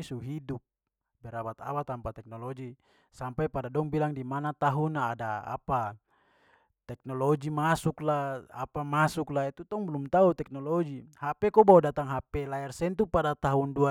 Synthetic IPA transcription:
suɦidup̚ | bɛɾabat̪a̰wat̪ampat̪ɛk̚nɔlɔd͡ʒi | sampajpadadɔŋbilaŋdimanat̪aɦunaːdaa̰pa | t̪ɛk̚nɔlɔd͡ʒimasuklaapamasuklait̪ut̪ɔŋbɛlumt̪aut̪ɛk̚nɔlɔd͡ʒihapɛkɔbawdat̪aŋɦapɛlaɛrsɛnt̪upadat̪aɦundua

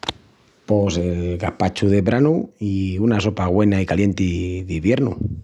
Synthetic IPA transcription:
poseɡahpat͡ʃuðeβɾanuiunaso̞paɣwe̞naikalje̞nt̪iðiβje̞ɾnṵ

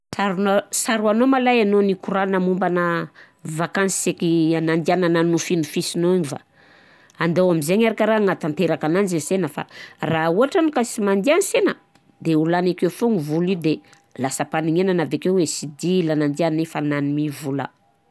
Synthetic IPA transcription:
saɾunosaɾuanomalajanonikuɾanamumbanə | vakansi̥sekianand̪ianananufinufisinoiɲiva̰ | and̪ewamizeɲaɾakəɾaŋat̪ant̪eɾakananizisenəfa̰rauaʈ͡ʂanukasimand̪ianisenə | d̪eulanakefoŋivulid̪e | lasəpaniŋenanavekewesid̪ilanand̪ianefananimivula̰

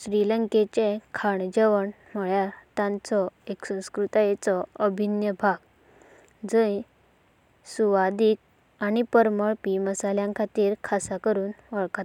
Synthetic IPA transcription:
ɕɾiləŋket͡ɕekʰaɳd͡ʑeʋəɳm̤əɭjaɾt̪ãnt͡sɔeksə̃w̃skɾut̪ajet͡sɔəbʱinjəbʱaɡ | d͡zəj | suʋad̪iːk̚ | añipəɾməɭpiməsaljãŋkʰat̪iːɾkʰasakəɾuːnʋəɭkat̪

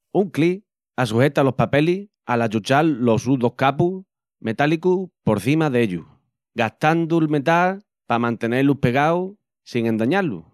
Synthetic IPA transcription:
uŋkli | as̬uhe̞t̪alo̞hpape̞li | alat͡ʃut͡ʃalːo̞suðo̞hkapu | me̞t̪alikupo̞ɾθimaðeʎṵ | ɡaht̪and̪uelme̞t̪al | pamãnt̪e̞ne̞lupe̞ɣ̞aw | siŋe̞nd̪aɲalṵ

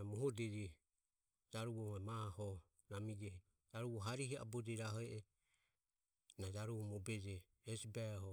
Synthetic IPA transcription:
mɔɦɔdɛd͡ʒɛ | d͡ʒaɾuβɔɛmahɔ | namid͡ʒɛ | d͡ʒaɾuβɔɦaɾihia̰bɔd͡ʒɛɾaɦɔɛʔɛ | nad͡ʒaɾuɔmɔbɛd͡ʒɛː | sbaɦɔ

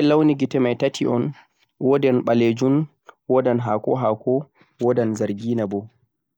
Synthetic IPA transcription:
ɛlawniɡitɛmajtatʰiʔɔn | wɔdɛnɓaled͡ʒun | wɔdanɦakɔɦakʰɔ | wɔdanzaɾɡiːnabɔ

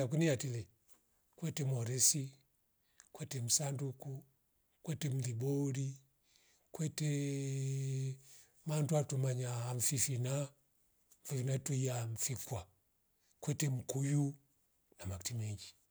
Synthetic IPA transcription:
ak̬unijatilɛ | kwɛtɛmɔɾɛsi | kwɛtɛm̩sanduku | kwɛtɛm̩liɓɔɾi | kwɛtɛ | manduatumaɲaːɱfifina | m̩fifinatuiaɱ̩fikwa | kwɛtɛm̩kuju | namaktimɛɲd͡ʒi

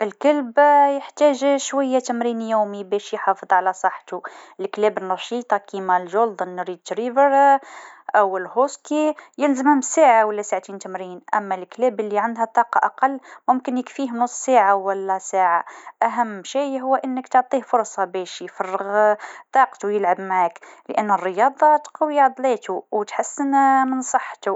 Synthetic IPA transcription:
ʔəlkəlbjəħt̪æʒʃwæjːæt̪əmɾiːnjuːmibæʃjħɑfəðˤʕalæsˤɑħːt̪uəlklæːbənːɑʃiːt̪ˤɑkimælʒold̪ənːɾid̪̚t̪ɾivəɾ | ʔæwəlhoskijəlzəmæmsaʕawəlːæsaʕt̪iːnt̪əmɾinʔæ̰mːælklæːbəlːiʕand̪ɦæt̪ˤɑːqɑʔɑqɑlːmʊmkənjəkfiːhnʊsˤːsaːʕawælːæsaːʕaʔæɦæmːʃiːɦʊwːʔənːəkt̪oʕt̪ˤiːhfʊɾˤsˤɑbæʃjfɑrˤːəɣt̪ˤɑːqt̪ujəlʕabmaʕakləʔənːərːəjɑːd̪ˤɑt̪qɑwiʕd̪ˤlet̪uwt̪ħasːənmənsˤɑħːt̪u

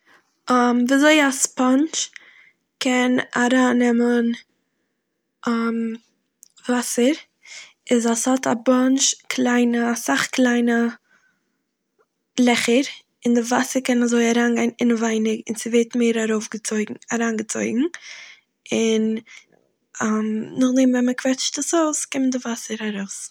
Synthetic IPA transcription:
amviazoɪaspant͡ʃ | kʰɛnaɾaːnɛmən | am | vasəɾ | ɪzashɔta̰bɔnʃkʰlˠaɪnəsaχklˠaɪnə | lˠɛχəɾ | ɪndɪvasəɾkɛnazoɪaɾaːnɡaɪnɪnvaɪnɪɡɪnsɪveɪtmeɪɾaɾoʊfɡət͡soɪɡ̩aɾaːnɡət͡so̰ɪɡŋ̩ | ɪn | amnʊχdeɪmvɛnməkv̥ɛt͡ʃtdəsoʊskɪməndɪvasəɾaɾoʊs

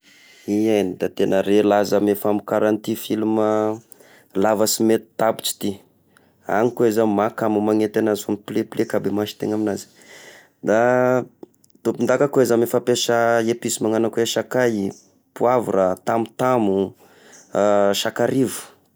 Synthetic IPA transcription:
iajnid̪at̪enəɾelazamefamikaɾant̪ifilumə | lavasimet̪i̥t̪abi̥t͡si̥t̪i | a̰ŋikoezamakamumaŋet̪anazifumiplepilekabemaʃi̥t̪eŋaminazi̥ | d̪a | t̪opind̪akakoezamefapeʃəepisimaŋanakueʃakaji | puavṵɾat̪amut̪amu | ʃakaɾivu̥

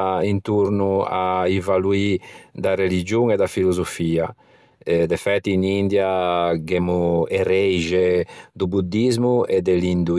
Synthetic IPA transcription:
int̪uɾnua̰ivaluid̪arelid͡ʒuŋɛd̪afilozofiːa | ɛd̪ɛfɛt̪ːiːnind̪jaɡɛmuɛrɛjʒed̪ubud̪ːizmuɛd̪ɛlind̪u

